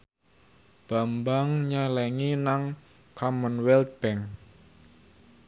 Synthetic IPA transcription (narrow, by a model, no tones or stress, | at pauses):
b̥a̤mbaŋɲalɛŋinaŋ | kʰɔmənwɛlt̪̚b̥ɛŋ